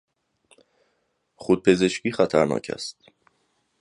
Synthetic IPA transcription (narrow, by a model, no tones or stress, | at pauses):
χod̪̚pʰe̞ze̞ʃciːxæt̪ʰæɾnɒ̰ːcʰæ̰st̪